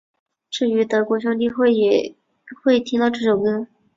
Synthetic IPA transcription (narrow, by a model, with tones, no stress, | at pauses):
ʈ͡ʂɻ̩˥˩y˧˥t̪ɤ˧˥kwɔ˧˥ɕ̬jɑ˥ŋt̪i˥˧xwe˥˩ɪjɛ˨˩ | xwe˥˩ɪt̪ʰi˥t̪ɑ˥˧ʊʈ͡ʂɤ˥˩ʂo˨˩ʊkʊ˥